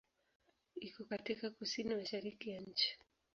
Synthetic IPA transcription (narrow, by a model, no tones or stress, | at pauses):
ikɔkatikakusinimaʃaɾikijaɲ̩t͡ʃi̥